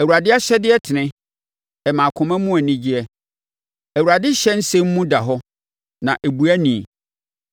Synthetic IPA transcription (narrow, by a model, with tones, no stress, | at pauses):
ɛ˨wu˨ɾa˨dɪ˦a˦ɕɛ˦dɪ˦ɛ˦tʰɪ˨nɪ̃˦ | ɛ˨mã˨kʰʊ̃˨mɛ̃˦mũ˦ɛ˨nɪ̃˦d͡ʑi˦ɛ˦ | æ˨wu˨ɾa˨dɪ˦ɕɛ˦n̩˦sɛ̃˦m˦mũ˦da˨ɦɔ˦ | nã˨ʔæ˨bu˨æ˦nĩ˨